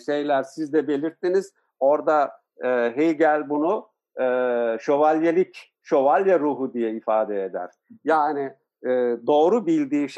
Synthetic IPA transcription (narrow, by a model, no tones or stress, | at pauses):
ʃejlʲæɾsizd̪ɛbe̞lʲiɾt̪ːiniz̥ | o̞ɾd̪a | ɦejɟælʲbunu | ʃo̞valʲjelʲic | ʃo̞valʲjaɾuːɦud̪ijɛifaːd̪ɛed̪æ̰ɾ̥jaːni | d̪o̞ːɾubilʲd̪iːʃ